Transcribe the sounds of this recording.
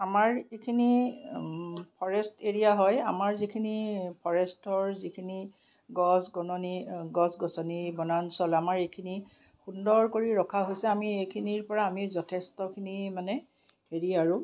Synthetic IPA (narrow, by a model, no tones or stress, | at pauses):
amaɹekʰini | pʰɔɹɛsteɹijaɦɔjamaɹzikʰinipʰɔɹɛstɔɹzikʰini | ɡɔsɡɔnɔniɡɔsɡɔsɔnibɔnansɔlamaɹejkʰini | xundɔɹkoɹiɹɔkʰaɦojsɛamiejkʰiniɹpɔɹaːmizɔtʰɛstɔkʰinimanɛ | heɹiaɹʊ